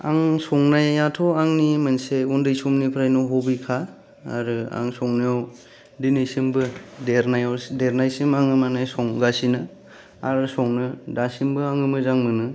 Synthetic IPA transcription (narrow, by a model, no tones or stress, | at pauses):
a̰ŋsɔŋnajatʰɔaŋnimanseundɯjsumnipʰɾajnɔɦɔbikʰa̰ː | ɾɯa̰ŋsɔŋnajaw | dinɯjsimbɯdeɾnajawdeɾnajsimaŋɯmanajsɔŋɡasinɯ | aɾɯsɔŋnɯdasimbɯaŋɯmɯzaŋmɯnɯ